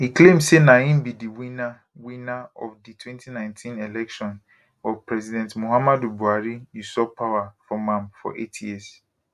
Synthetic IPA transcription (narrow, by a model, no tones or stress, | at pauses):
hikʰlẽmsenãĩmbidiwĩna | wĩnaɔfditʰwɛ̃ntʰinãɪ̃ntʰĩnelɛkʃɔ̃n | ɔvpʰɹɛzidɛ̃ntmohamadubuaɾijusɔpʰawafɔmãmfɔ̰ʔḛtʰjis